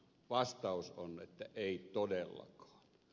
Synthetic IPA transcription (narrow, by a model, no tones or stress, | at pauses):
ʋɑst̪ɑˑusonet̪ːæʔeˑit̪odelːɑ̰kɑ̥ːn